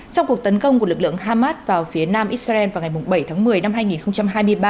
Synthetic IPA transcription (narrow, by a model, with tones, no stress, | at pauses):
t͡ɕɔ˧wŋ͡mku˨˩ək̚t̪ə˨˦nkə˧wŋ͡mkəlɨ˨˩k̚lɨ̰˧˨əŋɦaː˧maː˦˥t̚vaː˨˩wfi˨˦ənaː˧mʔi˦˥t̚saː˧ʔɛ˧nvaː˨˩wŋa˨˩jmʊ˨˩ŋ͡mɓə˧˩jt̪ʰaː˨˦ŋmɨ˨˩əjna˧mɦaː˧jŋi˨˩nxə˧wŋ͡mt͡ɕa˧mɦaː˧jm˧əjɓaː˧